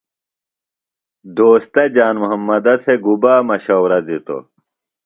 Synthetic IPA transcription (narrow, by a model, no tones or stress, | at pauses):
d̪oːst̪ɐd͡ʑaːnmuɦɐmːɐd̪ɐɾsʰeɡubaːmɐɕɐwɾɐd̪it̪o̰